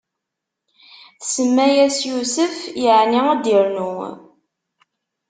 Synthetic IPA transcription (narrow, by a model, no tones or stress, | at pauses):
θsəmːæjæsjusəfjəʕniŋæd̪iɾnu